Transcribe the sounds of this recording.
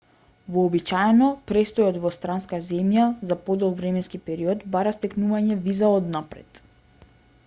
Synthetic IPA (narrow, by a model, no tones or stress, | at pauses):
vɔːbit͡ʃaɛnɔpɾɛst̪ɔjɔt̪vɔst̪ɾanskazɛmjazapɔd̪ɔlˠvɾɛmɛnskipɛɾiɔt̪baɾast̪ɛknuvaɲɛvizaɔd̪napɾɛ̰t̪